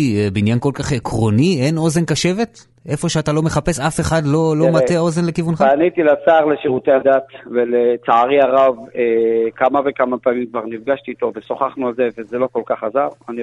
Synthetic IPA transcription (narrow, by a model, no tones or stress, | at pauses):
ebinjanko̞lkaχekʁo̞nie̞no̞ze̞nkaʃe̞ve̞t̪ | e̞fo̞ʃeat̪alo̞meχape̞safe̞χadlo̞lo̞mat̪eao̞ze̞nlekivunχaanit̪ilat͡saːʁleʃiʁut̪ehad̪at̪velet͡saaʁiaʁavekamave̞kamapaːmimkvaʁnifɡaʃt̪iːt̪o̞veso̞χaχnualzevezelo̞ko̞lkaχazaʁani